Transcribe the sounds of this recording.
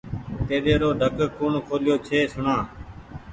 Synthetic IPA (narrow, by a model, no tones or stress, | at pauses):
t̪eːɗeːɾoːɖʱəkkuːɳkʰoːljoːt͡ʃʰeːsʊɳãː